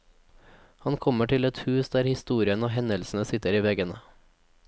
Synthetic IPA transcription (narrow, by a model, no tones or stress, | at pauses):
hɑnkʰɔməʈʰɪlɛt̪hʉːsd̪æːɾhɪst̪uːɾɪənoːhɛnəlsn̩əsɪt̪əɾiːʋɛɡənə